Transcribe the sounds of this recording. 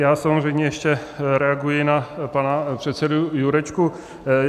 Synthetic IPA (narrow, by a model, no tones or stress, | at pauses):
jaːsamoʐɛjmɲɛjɛʃcɛɾɛaɡujɪnapanapr̝̥ɛt̪sɛdujuɾɛt͡ʃku